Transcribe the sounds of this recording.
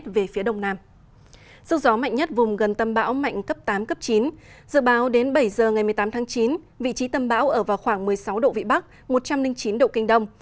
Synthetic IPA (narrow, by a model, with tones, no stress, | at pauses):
t̚ve˨˩fi˨˦əɗə˨˩wŋ͡mnaː˧m | zɨ˧˥zɔ˨˦ma̰˧˨jŋ̟ɲə˦˥t̚vʊ˨˩ŋ͡mɣə˨˩nt̪ə˧mɓa̰ː˧˥wma̰˧˨jŋ̟kə˦˥p̚t̪aː˨˦mkə˦˥p̚t͡ɕi˨˦n | zɨ̰˧˨ɓaː˨˦wɗe˨˦nɓə˧˩jzəː˨˩ŋa˨˩jmɨ˨˩əjt̪aː˨˦mt̪ʰaː˨˦ŋt͡ɕi˨˦n | vḭ˧˨t͡ɕi˨˦t̪ə˧mɓa̰ː˧˥wʔəː˧˩vaː˨˩wxwaː˧˩ŋmɨ˨˩əjsa˨˦wɗo̰˧˨vḭ˧˨ɓa˦˥k̚ | mo˨˩t̚t͡ɕa˧mlï˧ŋt͡ɕi˨˦nɗo̰˧˨kï˧ŋ̟ɗə˧wŋ͡m